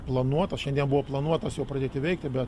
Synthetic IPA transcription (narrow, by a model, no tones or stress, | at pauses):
plˠɐnuɔt̪ɐsʃʲɛnd̪ʲiɛnbuʋoːplˠɐnuɔt̪ɐsjɛʊpɾɐdʲeːt̪ʲɪʋʲɛɪk̚t̪ʲɪbʲɛt̪